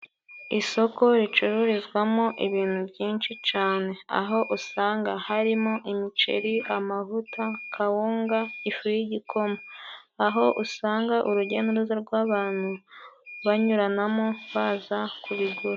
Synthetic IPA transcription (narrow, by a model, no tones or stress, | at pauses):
iso̞ko̞ɾit͡ʃuɾuɾizɡwamoʔiβiːn̥hubjiːnʃit͡ʃaːne̞a̰ɦo̞ʔusaːŋɡahaɾimoʔimit͡ʃḛɾiamaɦutakʰawuːŋɡaifujiɟikʰo̞maaɦo̞ʔusaːŋɡaʔuɾuɟenuɾuzaɾɡwaːβaːn̥huβaɲuɾanamoβaːzakuβiɡuɾa